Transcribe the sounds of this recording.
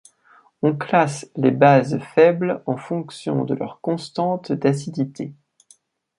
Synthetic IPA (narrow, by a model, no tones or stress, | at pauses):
ɔ̃klaslebazfɛblɑ̃fɔ̃ksjɔ̰̃d̪əlœ̰ʁkɔ̃st̪ɑ̃t̪d̪asid̪it̪ʰe